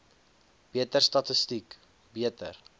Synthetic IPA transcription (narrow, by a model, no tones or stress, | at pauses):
b̥iətərstɐtəstik | biətər